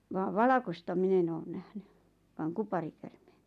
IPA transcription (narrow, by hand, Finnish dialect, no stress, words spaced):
ʋɑːʋ ʋɑlɑkostɑ min en oːn næhny ʋɑːŋ kupɑrikærmeːn̥